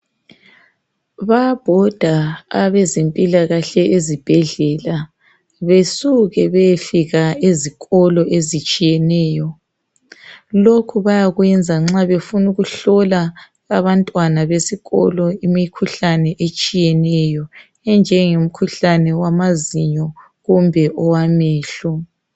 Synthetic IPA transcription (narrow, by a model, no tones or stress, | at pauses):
βab̥ʱɔd̥ʱaaβɛzempʼilaɣaɬɛʔezib̥ʱɛɮɛla | βesuɣɛβejfiɣaeziɣɔlɔʔezit͡ʃʼijɛnɛːjɔ | lokʰuβajaɣwɛnd͡zʱaŋ͡ǁaβefunuɣuɬɔla | aβantʼwanaβesiɣɔ̰lɔimikʰuɬanɛʔet͡ʃʼijɛnɛjɔ | ɛnd͡ʒʱɛŋom̩kʰuɬanɛwamaziɲɔ | ɣumbʱɛʔɔwamɛːɬɔ